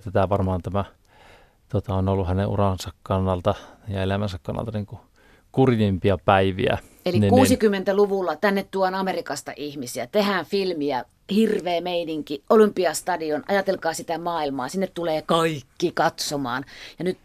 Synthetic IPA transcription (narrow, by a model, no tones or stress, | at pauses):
t̪æt̪æʋɑrmɑːnt̪æmæ | t̪uot̪ɑonolːuhænḛʔṵrɑnsɑkkɑnːɑlt̪ɑjɑelæmænsækkɑnːɑ̰lt̪ɑniːŋku | kurjempiɑpæiʋḭæ̰ | eliknikuːsikymːent̪æluʋulːɑt̪ænːett̪uɑnɑmerikɑst̪ɑ̰ʔihmisiæt̪ehænfilmiæ | hirʋeːmeiniŋkiʔolympiɑst̪ɑdionʔɑ̰jɑt̪elkɑːsit̪æmɑːilmɑːsinːet̪t̪uleːkɑikːikɑt̪somɑːnjɑnyt̪